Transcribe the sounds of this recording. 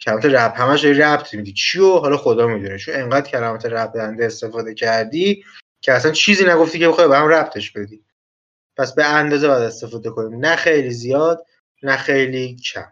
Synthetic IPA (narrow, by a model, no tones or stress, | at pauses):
cʰælæmɒːt̪eɾæt̪hæmæʃd̪ɒɾiɾæb̚t̪ʰmid̪it͡ʃʰioɦɒːlɒːxo̞d̪ɒːmid̪unet͡ʃʰone̞ŋɢæːd̪̥̚cʰælæmɒːt̪ʰeɾæb̚d̪ænd̪eːst̪e̞fɒːd̪e̞cʰæɾd̪iː | cʰeæsænt͡ʃʰiːziːnæɡo̞ft̪iːcʰeexɒjbehæmræb̚t̪ʰe̞ʃbe̞d̪iː | pʰæsbe̞ænd̪ɒːze̞bɒjæd̪e̞st̪e̞fɒːd̪e̞kʰo̞niːmnæxejlizijɒːd̪̥ | næxe̞jliːcʰæ̰m